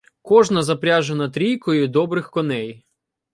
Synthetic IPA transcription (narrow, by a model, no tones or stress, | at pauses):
kɔʒnɐzɐpɾʲaʒenɐt̪ɾʲijkɔjʊd̪ɔbɾɪxkɔnɛj